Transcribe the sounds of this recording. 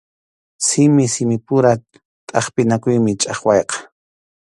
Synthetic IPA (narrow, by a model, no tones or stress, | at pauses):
sɪmɪsɪmɪpʊɾa | t̪ʼɑχpɪnakʊjmɪt͡ʃʼɑχwɑjqɑ̥